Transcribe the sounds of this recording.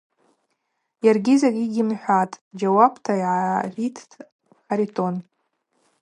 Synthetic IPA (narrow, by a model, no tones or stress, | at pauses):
jarɡʲizakʲʼiɡʲimħʷᶣatʼd͡ʒawabtʰaiʕaʕʷitʰ | ħaɾitʰʼo̞n